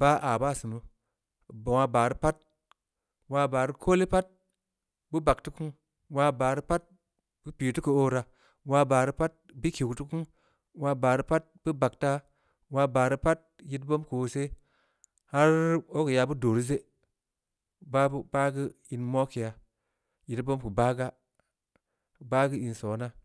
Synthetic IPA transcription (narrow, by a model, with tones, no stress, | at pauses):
b̥a˦ʔa˨ba˦˨si˨nu˦˨ | bwa˧baː˨ɾi˦pa˦t̚ | waː˧ba˨ɾi˦kʰo˦le˦pa˦t̚ | bɨ˦ba˨kti˦ku˦ŋ | wa˧baː˨ɾi˦pa˦t̚ | b̥ɨ˦piː˨ti˦kə˨o˦ɾa˧ | waː˧ba˨ɾi˦pa˦t̚bi˦ki˨ktu˦ku˦n | wa˧baː˨ɾi˦pa˦t̚bɨ˦ba˨kta˦ | wa˧ba˨ɾi˦pa˦t̚ji˦tbo˦mku˨o˨se˦ | ha˦ɾo˦ki˨ja˧bu˦do˨ɾi˦ze˦ | ba˦bu˦ba˦ɡi˦ | i˨nmo˦ki˨ja˨ | ji˨tbo˦mku˨ba˦ɡa˦˨ | ba˦ɡi˦i˨nso˨˦na˦